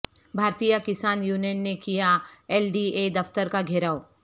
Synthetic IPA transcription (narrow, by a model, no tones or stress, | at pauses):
bʱaːɾt̪ijakɪsaːnjuːnenːekijaɛːlɖied̪ɐft̪əɾkaɡʱeɾaːoː